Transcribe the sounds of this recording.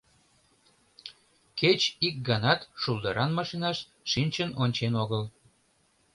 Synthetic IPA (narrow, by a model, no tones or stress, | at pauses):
ket͡ɕik̚ɡɑnɑt̪ʃulˠd̪əɾʔɑnmɑʃinɑʃ | ʃinʲt͡ɕənonʲt͡ɕenoɣəl